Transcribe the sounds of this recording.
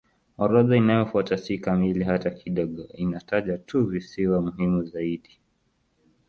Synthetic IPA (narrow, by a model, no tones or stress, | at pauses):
ɔɾɔðainajɔfuatasikamiliɦatakʰiɗɔɠɔinataʄatuvisiwamuɦimuzaiɗi